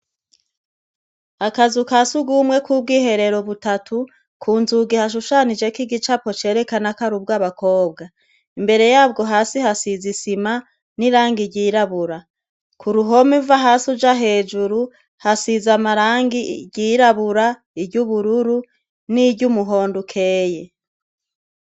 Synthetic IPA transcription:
akazukasuɡuːmŋe̞kʰub̚ɡiːɦe̞ɾe̞ɾo̞βutatʰu | kʰuːnzuɡihaʃ̬uʃanid͡ʒe̞kiɡit͡ʃapo̞t͡ʃe̞ːɾe̞kanakaɾub̚ɡaβako̞ːb̚ɡa | imbe̞ɾe̞jaːbɡo̞ɦaːsihasizisima | niɾaːŋɡiɟiːɾaβuɾa | kʰuɾuɦo̞mivaɦasud͡ʒaɦe̞ːd͡ʒuɾu | hasizamaɾaːŋɡiɟiɾaβuɾa | ibɟuβuɾuɾu | niɟumuɦo̞ːndukʰe̞ːje

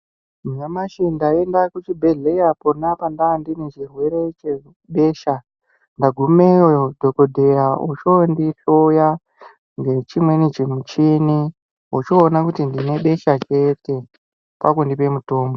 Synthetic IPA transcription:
miɲamaʃindae̞ndakut͡ʃibʱeɮejaponapandandinit͡ʃirwe̞ɾe̞t͡ʃe | ɓe̞ːʃa | ndaɡʱumeodʱokodʱe̞raut͡ʃondiɬoja | ŋɡe̞t͡ʃimwe̞nit͡ʃemut͡ʃini | ut͡ʃoːnakutindine̞ɓe̞ʃat͡ʃe̞te̞ | pa̰kundipe̞muto̞ːmbo

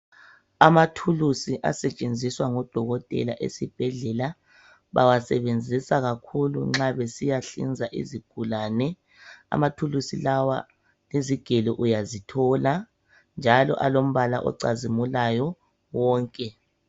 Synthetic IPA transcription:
amatʰulusiʔa̰sɛt͡ʃʼend͡zʱiswaŋɔd̥ʱɔɣɔtʼɛ̰la̰ʔḛsib̥ʱɛɮɛla | βa̰wasɛβend͡zʱisaɣakʰulṵŋ͡ǁaβesijaɬḭnd͡zʱaʔḭziɡ̥ʱulaːnɛ | a̰matʰulusilawa̰ | leziɡ̥ʱɛlɔʔujazitʰɔla | nd͡ʒʱalɔ̰ʔalom̩βalaʔɔ̰ǀazimulajɔ | wɔːŋkʼɛ

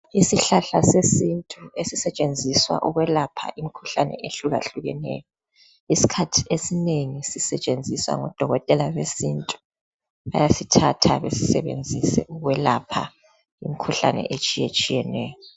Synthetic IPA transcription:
isiɬaɬasesintʼuesisɛt͡ʃʼend͡zʱiswa̰ʔuɣwɛlapʰa̰ʔimikʰu̥ɬanɛ̰ʔeɬuɣaɬuɣɛnɛ̰ːjɔ | isi̥kʰatʰi̥esineŋisisɛt͡ʃʼend͡zʱiswa̰ŋɔd̥ʱɔɣɔtʼɛlaβesintʼu̥ | βa̰jasitʰatʰaβesi̥sɛβḛnd͡zʱisɛ̰uɣwɛlapʰa̰ | ḭmikʰuɬa̰nɛ̰ʔet͡ʃʼijet͡ʃʼijɛnɛːjɔ

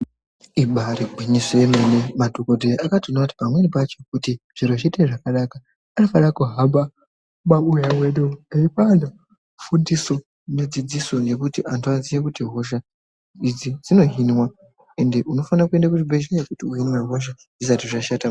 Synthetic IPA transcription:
iɓaɾiɡʱwiɲisemenemadʱokodʱejʔakationaati̥pamwe̞nipat͡ʃo̞kutiʐ̥iɾoʐiteʐakaɗakaː | nofaɗakuɦamba | ɓaujaweɗoaipano | fundiso̞ | ned͡zid͡ziso̞ŋɡe̞kutiʔantʰuad͡zijakutiɦo̞ʃa | id͡zid͡zino̞ɦinwa | e̞nde̞ʔuno̞fanakue̞ndakuʐibʱeʒekutiuɦinweɦoʃ̬a | isatiʐaʃata

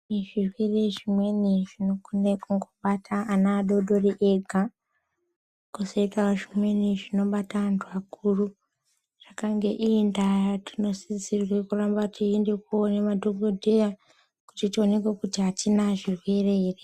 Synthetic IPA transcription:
iʐirwe̞re̞ʐimwe̞niʐinokonekuŋɡoɓatʰaanaːɗo̞ɗoriʔeɡʱa | kusoikaoʐimwe̞niʐino̞ɓataʋantʰuakuru | ʐ̥akaŋɡe̞ʔiːndatino̞sizirwekurambatʰiende̞k̚onemadʱoɡʱodʱeja | kutitio̞ne̞kwekutiɦatinaʐirwe̞rere

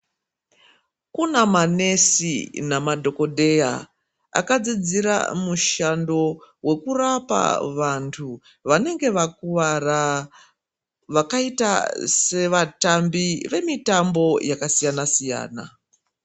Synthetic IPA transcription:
kunamane̞sinamadʱo̞ko̞dʱe̞ja | a̰kad͡zid͡ziɾa̰muʃando̞we̞kurapa̰ʋantʰu | ʋane̞ŋɡe̞ʋakuʋara | ʋakaita̰se̞ʋatambiʋe̞mitambo̞jakasijanasija̰ːna̰

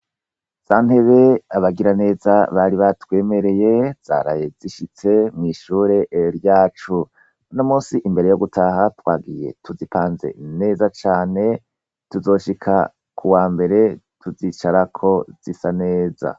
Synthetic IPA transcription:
z̥aːn̥he̞βe̞aβaɡiɾane̞ːzaβaɾiβatwe̞ːme̞ɾe̞je̞z̥a̰ɾa̰je̞ziʃit͡se̞mŋiʃuːɾe̞ʔɾjaːt͡ʃu | no̞muːsiʔimbe̞ɾejo̞ɡutʰaɦatwaːɡije̞̰tʰuzipaːnze̞̰ne̞ːzat͡ʃaːne̞ | tuzo̞ʃikʰa̰ | kʰuwaːmbe̞ɾe̞tʰuzit͡ʃaɾakʰo̞z̥isane̞ːza̰

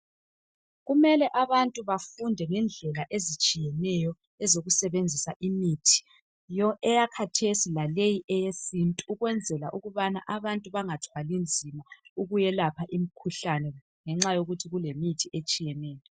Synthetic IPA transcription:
ɣumɛlɛʔaβantʼuβafundʱɛŋɛnd͡ɮʱɛlaʔezit͡ʃʼijɛnɛjɔ | ɛzoɣusɛβend͡zʱisaʔimitʰi̥ | ɔɛjakʰatʰesilalejiʔɛjesintʼuuɣwɛnd͡zʱɛla̰ʔuɣuβana̰ʔaβantʼuβaŋatʰwalind͡zʱimauɣujɛlapʰaʔimikʰuɬanɛ | ŋɛŋ͡ǁajoɣutʰiɣulemitʰiʔet͡ʃʼijɛnɛːjɔ

